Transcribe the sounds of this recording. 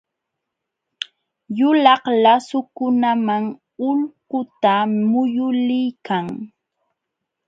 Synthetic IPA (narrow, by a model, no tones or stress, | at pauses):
jʊlɑhlasʊkʊnamaŋ | ʊlqʊt̪amʊjʊlɪjkaŋ